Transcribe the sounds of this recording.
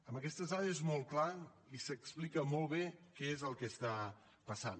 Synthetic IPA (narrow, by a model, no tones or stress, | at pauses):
əmbəkɛst̪əzaɾəezmɔlˠkla | isəksplikəmɔlˠβekɛezəlˠkəst̪a | pəsan